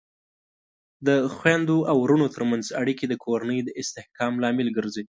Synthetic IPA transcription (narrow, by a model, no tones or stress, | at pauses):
d̪əxwand̪oʔawɾunot̪əɾmanzaɽiked̪əkʰoɾanəjd̪əʔɪst̪ɪhkɑmlɑmɪlɡəɾze